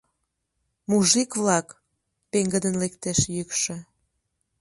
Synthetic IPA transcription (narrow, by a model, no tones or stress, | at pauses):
muʒikβlɑk | peŋɡəd̪ənlekt̪eʃjykʃø̆